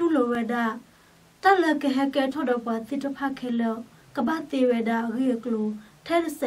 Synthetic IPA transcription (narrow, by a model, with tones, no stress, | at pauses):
tu˦˨lo˨wɛ˨da˦˨ | ta˦˨lɛ˦˨ʔkə˨ɦɛ˦kɛ˦tʰɔ˦˨dɔ˨pwa˨t̪ɪ˦˨tə˦˨pʰa˦˨kʰɛ˦˨lɔ˦˨ | kə˨ba˦˨t̪e˨wɛ˨da˦˨ʔə˨ɣi˦˨ʔə˨klo˨tʰɛ˦tə˨sɛ˨